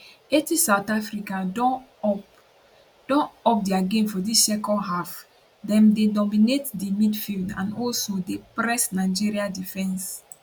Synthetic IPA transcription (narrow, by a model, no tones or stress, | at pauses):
etisaʊtafɹikaɔ | d̥ɔ̃nɔp̚diaɡẽnfɔdissɛkɔ̃ɦaf | dɛ̃mdedɔminetdimidfildã̰nɔlsodepɾɛsnaɪd͡ʒiɾiadifɛ̃ns